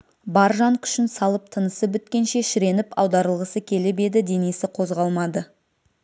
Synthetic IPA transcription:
bɑɾʒɑnkʰʏ̥ʃɪnsɑlˠəp̚t̪ʰənəsəbʏt̪kʲe̞nʃe̞ʃɪɾe̞nɪpɑwd̪ɑɾəlˠʁəsəkʲʰe̞lɪbe̞d̪ɪd̪e̞nisɪqʰo̞zʁɑlˠmɑd̪ə

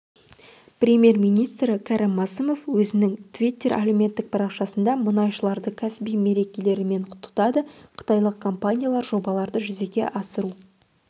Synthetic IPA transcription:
pɾʲe̞mʲje̞rmijnijst̪ɾəkʰɑɾɪmːɑsəmo̞fwɵzɪnɪŋt̪ʰvʲijt̪ːe̞ɾʔa̰lʲemʲe̞nt̪ːɪk̚pʰɑɾɑqʃɑsənd̪ɑmʊnɑjʃəlˠɑɾd̪əkʲʰæsɪbijme̞ɾe̞kʲe̞le̞ɾɪme̞ɴqʰʊ̥t̪ːə̥t̪ɑd̪əqʰə̥t̪ɑjlˠəq̚kʰompanʲijalˠɑɾʒo̞bɑlˠɑɾd̪əʒʏze̞ɡʲe̞̰ʔɑsəɾu

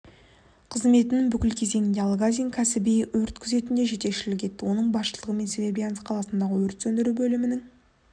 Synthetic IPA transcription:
qʰəzme̞t̪ɪnɪŋbʏkʲɪlkʲʰe̞ze̞ŋɪnd̪eɑlˠɡazʲiŋkʲʰæsɪbijwɵɾt̪kʲʰʏze̞t̪ɪnd̪e̞ʒe̞t̪e̞kʃɪlɪk̬ʲʰe̞t̪ːɪwo̞nəɴbɑsʃəlˠəʁəme̞nsevʲebʲijanəsqʰɑlˠɑsənd̪ɑʁəwɵɾɪt̪sɵnd̪ɪɾubɵlɪmɪnɪŋ

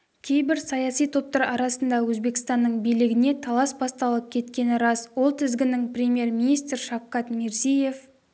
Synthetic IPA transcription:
kʲʰe̞jbɪɾsɑjɑsijt̪ʰo̞p̚t̪ɑɾɑɾɑsənd̪ɑwɵzbe̞kʲɪ̥st̪ɑnːəɴbijlɪɡʲɪne̞t̪ʰɑlˠɑsbɑst̪ɑlˠəp̚kʲʰe̞t̪kʲe̞nɪɾɑswo̞lˠt̪ʰɪzɡʲɪnɪŋprʲemje̞ɾmʲinist̪rʃɑfqɑt̪meɾsije̞f

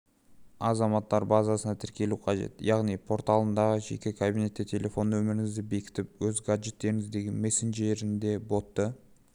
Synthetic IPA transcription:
ɑzɑmɑt̪ːɑɾbɑzɑsənɑt̪ʰɪɾkʲe̞luqʰɑʒe̞̰t̪jɑʁnijpʰo̞ɾt̪ɑlˠənd̪ɑʁəʒe̞̰kʲekʰabijne̞t̪ːet̪ʲʰe̞lʲe̞fo̞nːwɵmɪɾɪŋɪzd̪ɪbe̞kʲɪ̥t̪ɪp̚wɵzɡaʒe̞t̪ːe̞ɾɪŋɪzd̪e̞ɡʲenme̞senʒe̞ɾɪnd̪e̞bo̞t̪ːə

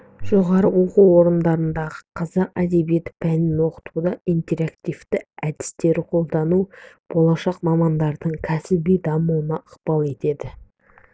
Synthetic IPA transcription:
ʒ̥o̞ʁɑɾəwo̞quwo̞ɾənd̪ɑɾənd̪ɑʁəqʰɑzɑqæ̰d̪e̞bije̞t̪ɪ̥pʰænɪnwo̞qə̥t̪ud̪ɑijnt̪e̞ɾakt̪ijft̪ɪæd̪ɪ̥st̪e̞ɾɪqʰo̞lˠd̪ɑnu | b̥o̞lˠɑʃɑqmɑmɑnd̪ɑɾd̪əɴkʲʰæsɪbijd̪ɑmuwənɑəqpɑlˠe̞t̪e̞d̪ɪ

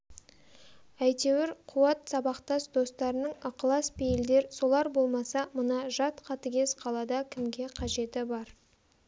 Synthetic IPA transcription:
æjt̪e̞wɪɾqʰuwɑt̪sɑbɑqt̪ɑsd̪o̞st̪ɑɾənəɴɑqlˠɑspejɪld̪e̞ɾso̞lˠɑɾbo̞lˠmɑsɑmənɑʒɑt̪qʰɑt̪əɡʲe̞sqʰɑlˠɑd̪ɑkʲʰɪmɡʲe̞qʰɑʒe̞t̪ɪbɑɾ

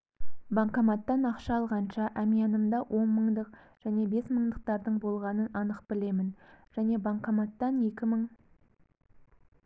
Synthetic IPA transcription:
bɑɴqɑmɑt̪ːɑnɑqʃɑːlˠʁɑnʃɑʔæmijɑnəmd̪ɑwʔo̞nməɴd̪əq | ʒ̥æne̞be̞sməɴd̪əq̚t̪ɑɾd̪əɴbo̞lˠʁɑnənɑnəqbɪle̞mɪnʒ̥æne̞bɑɴqɑmɑt̪ːɑnje̞kʲɪməɴ

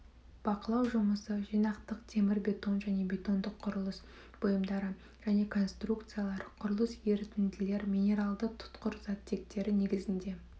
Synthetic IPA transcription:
b̥ɑqəlˠɑwʒʊməsəʒijnɑqt̪əqt̪ʰe̞mɪɾbʲe̞t̪o̞nʒæne̞bʲe̞t̪o̞nd̪əqʰːʊɾəlˠəs | b̥ojəmd̪ɑɾə | ʒ̥æne̞kʰo̞nst̪rukt̪sɨjalˠɑɾəqʰʊɾəlˠəsje̞ɾɪt̪ɪnd̪ɪle̞ɾmʲinʲe̞ɾalˠd̪ət̪ʰʊ̥t̪qəɾzɑt̪ʰːe̞k̚t̪e̞ɾɪne̞ɡʲɪzɪnd̪e̞

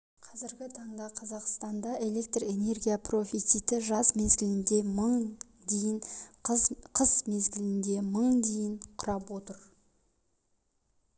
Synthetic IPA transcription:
qʰɑzɪɾɡʲɪt̪ʰɑɴd̪ɑqʰɑzɑqst̪ɑnd̪ɑʔe̞le̞k̚t̪re̞ne̞rɡʲijapro̞fʲit̪sijt̪ɪʒɑzmezɡʲɪlɪnd̪e̞məɴ | d̪ejɪɴ | qʰəzmezɡʲɪlɪnd̪e̞məɴd̪e̞jɪɴqʰʊɾɑpwo̞t̪əɾ

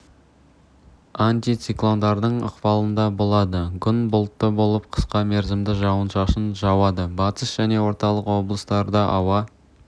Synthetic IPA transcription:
anʲt̪ijt̪siklˠo̞nd̪ɑɾd̪əɴə̰qpɑlˠənd̪ɑbo̞lˠɑd̪əkʲʰʏnbʊlˠt̪ːəbo̞lˠəp̚qʰə̥sqɑmeɾzɪmd̪ɪʒɑwənʃɑʃənʒɑwɑd̪əbɑt̪əsʒ̥æne̞wo̞ɾt̪ɑlˠəqwo̞blˠəst̪ɑɾd̪ɑʔɑwɑ

